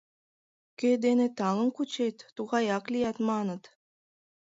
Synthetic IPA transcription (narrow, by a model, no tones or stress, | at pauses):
ked̪enet̪ɑŋə̆nkut͡ɕet̪ːuʁɑjɑklijɑt̪mɑnɤ̆t̪